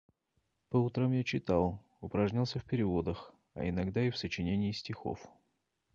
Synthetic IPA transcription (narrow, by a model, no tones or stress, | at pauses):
pəʊt̪ɾamjat͡ɕɪt̪alˠ | ʊpɾɐʐnʲalˠsʲəfpʲɪɾʲɪvo̞d̪əx | ɐ̰ɪnɐɡd̪aɪfsət͡ɕɪnʲenʲɪːsʲtʲɪxo̰f